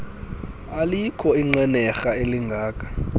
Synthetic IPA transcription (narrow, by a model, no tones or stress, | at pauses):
alikʰɔiŋ͡ǀɛnɛxaeliŋɡʱaːkʰʼḁ